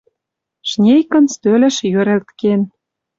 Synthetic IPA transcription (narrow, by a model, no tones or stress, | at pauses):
ʃnʲejkə̆nst̪ølʲĕʃjøɾĕlt̪ken